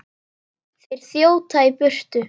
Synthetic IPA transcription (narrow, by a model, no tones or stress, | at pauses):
θejɾ̥θjoːwt̪ʰaipʏr̥t̪ʏ